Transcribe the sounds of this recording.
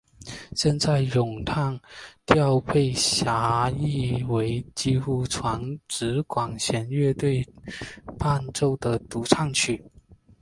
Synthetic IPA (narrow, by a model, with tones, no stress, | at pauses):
ɕjɛ˥˧nt͡sa˥˩ɪjʊ˨˩ŋt̪ʰɑ˥˧ŋt̪jɑ˥˧ʊpʰe˥˩ɪɕja˧˥i˥˩we˧˥ɪt͡ɕi˥xu˥˩ʈ͡ʂʰwɑ˧˥ŋʈ͡ʂɻ̩˧˥kwɑ˨˩ŋɕjɛ˧˥nɥɛ˥˧t̪we˥˧ɪ | pa˥˧nʈ͡ʂo˥˩ʊd̪ə˩t̪u˧˥ʈ͡ʂʰɑ˥˧ŋt͡ɕʰy˥˩